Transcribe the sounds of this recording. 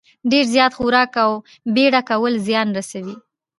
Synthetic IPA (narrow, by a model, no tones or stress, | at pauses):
ɖeɾzjɑt̪xuɾɑkaw | beɽakawəlzjɑnɾasawi